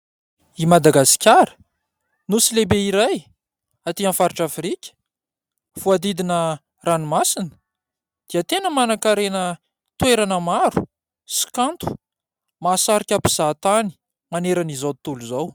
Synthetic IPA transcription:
imad̪aɡasi̥kʲaɾə̥ | nusilebeiɾaj | at̪ianfaɾiʈ͡ʂafɾikʲə̥ | fuad̪id̪inə | ranimasinə̥ | d̪̥iət̪enəmanakaɾenə | t̪weɾanəmaɾu̥ | si̥kant̪u̥ | masaɾikʲapi̥z̥at̪ani̥ | maneɾanizawt̪uluzaw

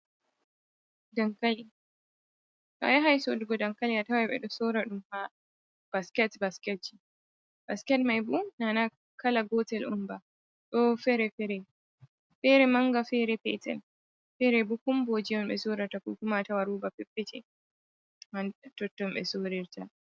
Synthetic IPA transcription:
daŋkali | ka̰jaɦajsɔdɔɡɔdaŋkalijatawaɓɛ̰ɗɔsoːɾaɗumha | b̥askɛtbaskɛt̚d͡ʒi | b̥askɛtmajbunana | kʰalaɡɔtɛlʔumba | ɗɔfɛɾɛfɛɾɛ | fɛɾɛmaŋɡafɛɾɛpɛ̰tɛ̰l | fɛɾɛbukumbɔd͡ʒijɔmɓɛsoːɾaɾtakuːkumatawaɾuːbapɛpːɛtɛ | mantɔtːɔmɓɛ̰soɾɪɾtʰa

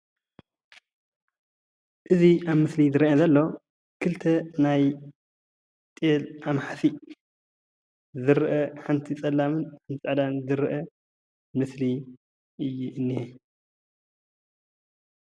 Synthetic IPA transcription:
ʔɨziʔaβmɨslizɨɾiʔɐzɐlːo̞ | kʰɨlt̪ʰɐnaj | t̪ʼelʔamħasi | zɨɾʔɐħant̪ʰit͡sʼɐlːamɨnħant̪ʰit͡sʼɐd̪anzɨɾɨʔɐ | mɨsli | ʔɨjːuʔɨnːihe

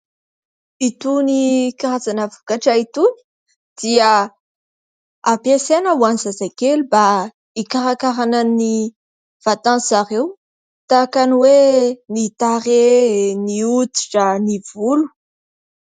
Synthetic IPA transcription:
it̪unikaɾazanəvukaʈ͡ʂait̪uni̥ | d̪̥ia | apjesenəwanizazakeluba | ikaɾakaɾanani | v̥at̪ãsaɾew | t̪akaniwenit̪aɾeniut̪i̥ʈ͡ʂaniv̥ulu̥

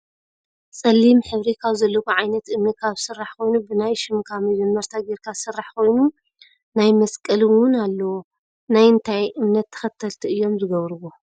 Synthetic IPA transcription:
sʼɐlːimħɨβɾikʰaβzɐlːɐkuʕajnɐt̪ɨmnɐt̪̚kʰaβsɨrːaħko̞jnubɨnajʃɪmkʰamid͡ʒɛmːɐɾt̪ʰaɡiɾkʰasɨrːaħkʰo̞jnu | najmɐskʼɐlwʊnalːɐwo | najɨnt̪ʰajʔɨmnɐt̪ʰːɐ̥xɐt̪ʰːɐlt̪ʰiɨjːo̞mzɨɡɐβɾɨβo

